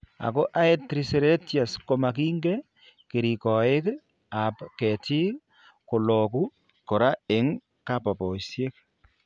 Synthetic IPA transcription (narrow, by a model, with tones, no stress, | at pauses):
a̰˨ko˦ʔa˦e˦tɾi˨se˨ɾe˦tja˨sko˨ma˨ki˦ŋɡe˦ | ki˨ɾi˨kɔ˨ɪ˦k | a˨pkɛ˨ti˦ | ko˨lɔku˦ | kɔ˨ɾa˦e˨ŋ | ka˦pa˨pɔ˨sje˦k̚